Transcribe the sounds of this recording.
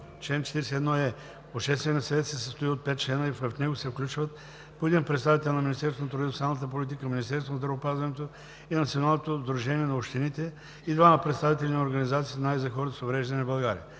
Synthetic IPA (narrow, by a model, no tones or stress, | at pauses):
t͡ʃlɛnt͡ʃɛ̥t̪iɾɛsɛːd̪nɔɛ | oʃɛst̪vʲɛniəsɐvɛt̪sɛsəst̪oiot̪̚pɛt̪̚t͡ʃlɛnəipəfnɛɡosɛfklʲut͡ʃvət̪̚ | poɛd̪inpɾɛt̪st̪avit̪ɛlˠnɐminist̪ɛɾst̪vont̪ɾud̪isamnət̪̬əp̬olʲit̪̬ikəminist̪ɛɾst̪vonɐzd̪ɾɐvopazvɐnɛt̪o | inɐt̪sionalˠnot̪ozd̪ɾuʒɛniɛnɐopʃt̪init̪ɛ | id̪vaməpɾɛt̪st̪avit̪ɛlʲinɛoɾɡɐnizat̪sit̪naizɐxɔɾət̪əsovɾɛʒd̪ɐnɛbɐlˠɡaɾʲḭə